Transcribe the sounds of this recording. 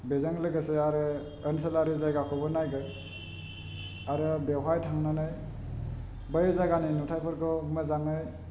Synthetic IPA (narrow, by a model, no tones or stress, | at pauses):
bezaŋlɯɡaseaɾɯː | ns̬ɯlaɾizajɡakʰɔbɯnajɡɯ | aɾɯbeɦajtʰaŋnanaj | bəjzaɡaninutʰajpʰɯɾkʰɔmazaŋaj